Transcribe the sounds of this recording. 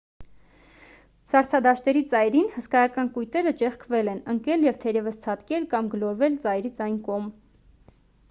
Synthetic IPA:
sɑɾt͡sʰɑd̪ɑʃt̪ɛɾit͡sɑjɾinhəskɑjɑkɑnkujt̪ɛɾət͡ʃɛχkʰvɛlɛnəŋkɛljɛvt̪ʰɛɾɛvəst͡sʰɑt̪kɛlkɑmɡəlɔɾvɛlt͡sɑjɾit͡sʰɑjnkɔm

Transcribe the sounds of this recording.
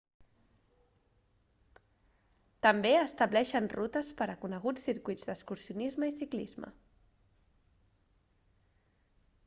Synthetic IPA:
t̪əmbeəst̪əβblɛʃənrut̪əspəɾəkunəɣ̞ut͡sːiɾkuid͡zd̪əskuɾsiunizməisiklizmə̰

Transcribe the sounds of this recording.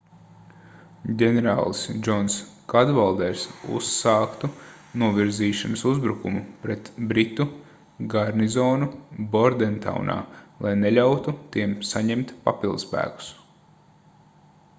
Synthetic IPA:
ɟʲɛnɛɾa̰ːlˠsd͡ʒɔnskad̪valˠd̪ɛɾsṵsaːkt̪u | nuɔvʲiɾziːʃɔnɐsuzbɾukumupɾɛt̪bɾit̪u | ɡaɾnizɔːnubɔɾd̪ɛnt̪a̰wnʔa̰ːlˠajneʎʲawt̪ut̪iɛmsaɲɛmt̪pa̰pilˠd̪spæ̰ːku̥s

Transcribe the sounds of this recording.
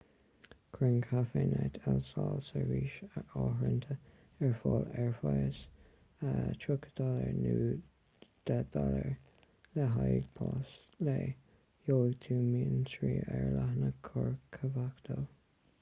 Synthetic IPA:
kʰɾɪnkʰafenat̪ʰɛlsalsəɹiːʃəɔːhɹənt̪ʰə | ɛɹfɔːlɛɹfajəs | ətʰɹʊkʰə̥d̪aləɹnuː | d̪̥ɛd̪aləɹ | lɛɦajd̪pʰɑːs | le | joːəɡt̪ʰuːmiːənsɹiːɛɹlaɦnəkʰɔɹkʰəvakt̪ʰo

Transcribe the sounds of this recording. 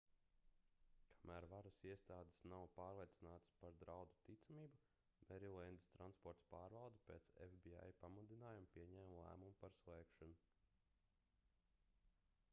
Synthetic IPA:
kʰḁmæːɾvaɾasiɛst̪aːd̪ɪ̥snawpaːɾlˠiɛt̪sinaːt̪spaɾd̪ɾawd̪u̥t̪it̪samiːbu | mɛɾilˠɛnd̪i̥st̪ɾanspɔɾt̪paːɾvɑlˠd̪ɐpḛːt̪sḛfbia̰jpamud̪inaːjampiɛɲɛːmlˠæ̰ːmumupaɾslˠɛːkʃɔnu

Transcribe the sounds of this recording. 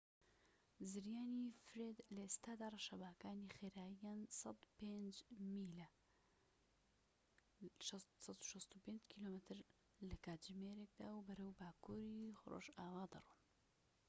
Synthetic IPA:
zɨɾjaːnifɾeːd̪lɐest̪aːd̪aːrˤɐʃɐbaːkaːnixeːɾaːijaːnsɐd̪pend͡ʒmiːlɐ | ʃsɑt̪u̥ʃɐst̪upeːnd͡ʒkʰiloːmɨt̪ʰɨɾ | lɐkaːt̪d͡ʒmeːɾek̚d̪aːwbɐɾɐwbaːkʰuːɾiro̰ːʒaːwaːd̪ɐ̰ruːn

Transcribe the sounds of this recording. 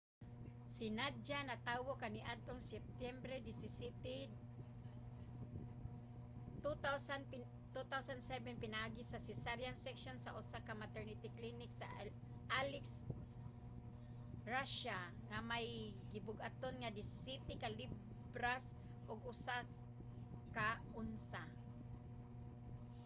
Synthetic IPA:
sɪnad͡ʒanat̪awokanɪʔad̪̚t̪oŋsɛp̚t̪jɛmbɾɛdɪsɪsit̪id | t̪ut̪awsan | t̪ut̪awsand̪sɛbɛnpɪnaʔaɡisasɪsaɾjansɛkʃonsaʔʊsakamat̪ɛɹnit̪ɪklinɪksa | ʔalɪks | ɹaʃa | ŋamajɡɪbʊɡʔat̪onŋad̪ɪsɪsit̪ɪkalɪ | bɾas | ʔʊɡʔʊsa | kaʔʊnsa

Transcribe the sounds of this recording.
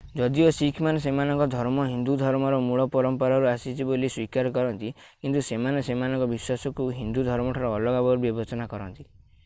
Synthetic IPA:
d͡ʒɔd̪iosikʰmanesemanɔŋkɔd̪ʱɔɾmɔɦind̪ud̪ʱɔɾmɔɾɔmuɭɔpɔɾɔmpɔɾaɾuasit͡ʃʰiboliswikaɾɔkɔɾɔnt̪i | kint̪usemanesemanɔ̃ŋkɔbiswasɔkuɦind̪ud̪ʱɔɾmɔʈʰaɾɔːlɔɡabɔɾbibɔt͡ʃɔnakɔɾɔnt̪i

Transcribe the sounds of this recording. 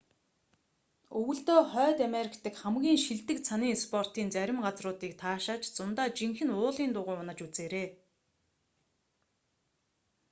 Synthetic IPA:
ɵwɵ̆ɮt̪oːχœːt̪æmeɾʲɪkt̪ɘ̆kχæmɡʲiːŋʃiɮt̪ɘ̆k̚t͡sʰaniːspʰɔr̥t̪iːnt͡sæɾʲɪ̆mɢat͡srʊːt̪iːk̚t̪ʰaːʃaːt͡ɕt͡sʊnt̪aːt͡ɕiŋxɘ̆nʊːɮiːnt̪ʊːʁʊːʊnə̆t͡ɕut͡seːɾeː

